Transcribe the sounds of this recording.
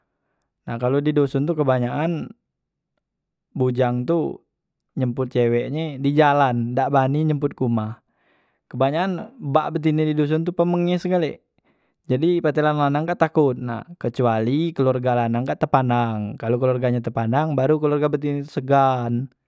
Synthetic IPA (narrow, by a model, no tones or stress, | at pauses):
nahkalodidosʊnt̪̬ukəbaɲaʔan | bud͡ʒaŋt̪u | ɲəmpʊt̪̚t͡ʃewɛʔɲedid͡ʒalandaʔbaniɲəmpʊt̪̚kumah | kəbaɲaːnbaʔbət̪̬inididos̬ʊnt̪upəməŋɲesəɡalɛʔ | d͡ʒadipat̪ɛlanlanaŋɡaʔt̪akʊt̪̚na̰hkət͡ʃualikəlɔrɡalanaŋɡaʔt̪əpanaŋkalukəlurɡaɲat̪̬əpanaŋbaɾukəlurɡabət̪̬init̪u̥səɡan